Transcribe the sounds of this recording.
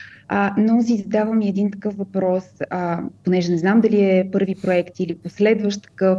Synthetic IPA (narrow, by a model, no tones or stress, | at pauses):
ənos̬izɐd̪avəmiɛd̪int̪ɐkɤfvɐpɾɔsəponɛʒɛnɛznamd̪ɐliɛpɤɾvipɾoɛkt̪iliposlɛd̪vəʃt̪ə̥kɤf